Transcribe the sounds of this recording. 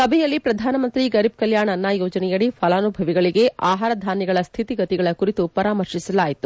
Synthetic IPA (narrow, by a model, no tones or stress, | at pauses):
sɐbʱɛjɐlːipɾɐd̪ʱaːnɐmɐnt̪ɾiɡɐɾib̚kɐljaːɳɐnːajɔːd͡ʒɐnɛjɐɽipʰɐlaːnubʱɐʋiɡɐɭiɡe̞aːɦaːɾɐd̪ʱaːnjɛɡɐɭɐst̪ʰit̪iɡɐt̪iɡɐɭɐkuɾit̪upɐɾaːmɐɾʂisɐlaːjit̪u